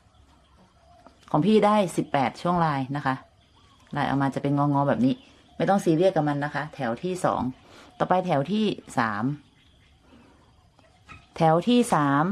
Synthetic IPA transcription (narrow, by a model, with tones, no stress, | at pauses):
kʰɔː˩˦ŋpʰiː˥˩daː˥˩jsi˨˩pːɛː˨˩t̪̚t͡ɕʰu˥˩əŋɾaː˧jna˦˥kʰa˦˥ʔ | ɾlaː˧jʔa̰˧˩wmaː˧t͡ɕa˨˩pe˧nŋɔː˧ŋɔː˧bɛː˨˩p̚niː˦˥˩ | ma˥˩jt̪ɔ˥˩ŋsiː˧ɾi˥˩əkːa˧˩ma˧nːa˦˥kʰa˦˥t̪ʰɛː˩˦wt̪ʰiː˥˩sɔ̰ː˩˦ŋt̪ɔː˨˩pa˧jt̪ʰɛː˩˦wt̪ʰiː˥˩sa̰ː˩˦m | t̪ʰɛː˩˦wt̪ʰiː˥˩saː˩˦m